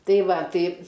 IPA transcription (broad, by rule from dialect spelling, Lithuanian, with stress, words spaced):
ˈtɐɪ ˈʋɐ ˈtɐɪ